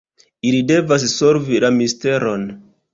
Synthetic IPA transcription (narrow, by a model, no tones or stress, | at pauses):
ilide̞vas̬so̞ɾvilamiste̞ɾo̞n